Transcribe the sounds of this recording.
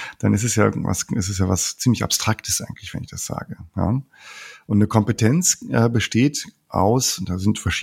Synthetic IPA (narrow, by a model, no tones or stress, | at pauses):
d̥anɪstɛsjaːʔɪ̰ɡŋ̩tva̰sʔɪstɛsjaːvast͡siːmlɪça̰pstʁ̥aktʰə̥sʔaɪɡŋ̩tlɪçv̥ɛ̰nɪçd̥asz̥a̰ːɡəja̰ | ʔʊntnəkʰɔmpətʰɛnt͡sʔɛːbəʃteːt | ʔa̰ʊsnd̥aːzɪntfɛɐʃiː